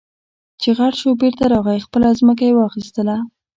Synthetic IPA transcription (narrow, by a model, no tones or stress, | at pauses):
t͡ʃeɣaɽʃobeɾt̪aɾɑɣaixpəlazmək̬ajewɑxist̪əla